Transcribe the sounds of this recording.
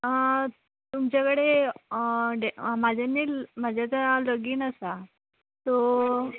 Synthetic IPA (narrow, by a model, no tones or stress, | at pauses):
t̪umt͡ɕakəɽe | ɖemad͡ʑʱenːimad͡ʑʱjat͡saləɡiːnasa | t̪ɔ